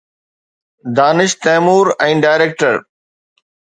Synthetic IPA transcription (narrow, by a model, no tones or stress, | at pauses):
d̪aːnɪʃt̪ɛːmuːɾɛ̃ːɖaːɪɾeːk̚ʈəɾ